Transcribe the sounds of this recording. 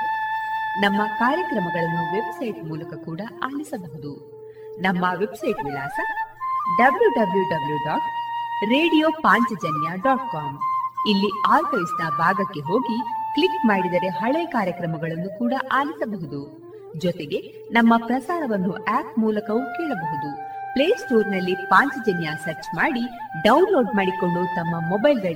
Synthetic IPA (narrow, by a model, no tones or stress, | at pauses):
nɐmːɐkaːɾjɐkɾɐmɐɡɐɭɐnːuʋe̞bsɐjʈmuːlɐkɐkuːɽɐʔaːlisɐbɐɦud̪u | nɐmːɐʋe̞bsɐjʈʋilaːsɐɖɐbljuɖɐbljuɖɐbljuɖaːʈɾe̞ːɽijoːpaːɲt͡ʃɐd͡ʒɐnjaɖɔːʈ̚kaːmilːiaːɾpɐjisnɐbʱaːɡɐkːe̞ɦo̞ːɡikɭikmaːɽid̪ɐɾe̞ɦɐɭekaːɾjɐkɾɐmɐɡɐɭɐnːukuːɽɐʔaːlisɐbɐɦud̪u | d͡ʒɔt̪eɡe̞ | nɐmːɐpɾɐsaːɾɐʋɐnːuʔaːpmuːlɐkɐʋukɛːɭɐbɐɦud̪upleːsʈoːɾnɐlːipaːɲt͡ʃɐd͡ʒɐnjasɐɾt͡ʃmaːɽi | ɖɐwnlo̞ːɖmaːɽiko̞ɭɖut̪ɐmːɐmɔbɐjlɡ̪ɐɭi